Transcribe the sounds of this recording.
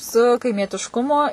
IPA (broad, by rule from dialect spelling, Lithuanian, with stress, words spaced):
sʊ kɐɪmʲiɛtʲɪʃˈkʊmoː